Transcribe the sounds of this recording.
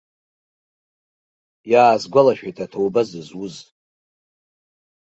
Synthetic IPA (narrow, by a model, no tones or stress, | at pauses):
jaːzɡʷalaʃᶣajtʰatʰowbazɨzwʊz